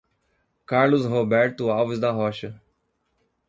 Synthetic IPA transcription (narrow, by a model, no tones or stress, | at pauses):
kaɾlʊsɦobɛɾt̪ʊawvʊzd̪ɐɦɔʃɐ